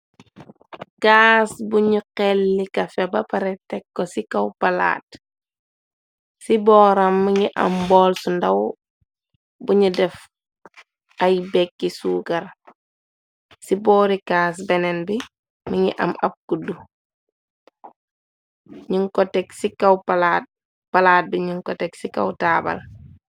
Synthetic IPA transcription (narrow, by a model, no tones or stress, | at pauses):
kaːsbuɲuqɛlːikɐfɛbɐpɐɾɛtɛkːosikawpɐla̰ːt | sibɔːɾamːiɲiʔɐ̰mbɔːlsundɐw | buɲudɛf | ajbɛkːisuːɡɐɾ | sibɔːɾikaːs̬bɛnɛnbi | miɲḭʔɐ̰mɐb̚kudːu | ɲiŋkɔtɛksikawpala | palaːt̚biɲiŋkɔtɛksika̰wtaːbɐ̰l